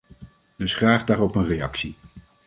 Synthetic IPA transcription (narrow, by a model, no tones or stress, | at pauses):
d̥ɵsχraːχdaːrɔpənrejɑ̰ksi